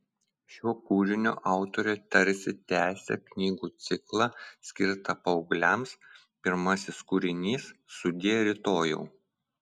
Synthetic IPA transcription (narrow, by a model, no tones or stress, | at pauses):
ʃʲuɔkuːɾʲɪnʲoːʔɑˑʊt̪ɔɾʲoːt̪ʲɐɾʲsʲɪt̪ʲæːsʲɛ̰knʲiːɡuːt̪sʲɪklˠɑsʲkʲɪɾt̪ɐpɐʊɡlʲɛms | pʲɪɾmɐsʲɪskuːɾʲɪnʲiːsːʊd̪ʲeːjɛɾʲɪt̪oːjɛ̰ʊ